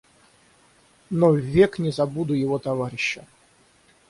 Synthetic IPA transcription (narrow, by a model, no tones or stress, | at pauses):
novʲeknʲɪzɐbud̪ʊjɪvot̪ɐvaɾʲɪɕːə